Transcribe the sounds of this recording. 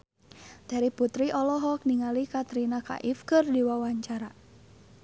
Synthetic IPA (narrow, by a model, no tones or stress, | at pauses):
d̪̥aɾiput̪ɾiʔɔlɔɦɔk̚niŋalikat̪ɾinaka̰ʔifkɨrdiwawaɲt͡ʃaɾa